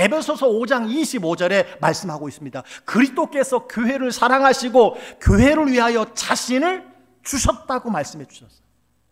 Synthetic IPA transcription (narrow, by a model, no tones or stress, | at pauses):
e̞pbʰe̞sʰʌsʰʌod͡ʑaŋiɕʰibod͡ʑʌɾe̞maɭs͈ɯmɦaɡois͈ɯmɲidakɯɾist͈ok͈e̞sʰʌkjoɦe̞ɾɯɭsʰaɾaŋɦaɕʰiɡokjoɦe̞ɾɯɭɥiɦajʌt͡ɕaɕʰinɯɭ | t͡ɕuɕʰʌt̚t͈aɡomaɭs͈ɯmɦe̞d͡ʑu̥ɕʰʌs͈ʌ̥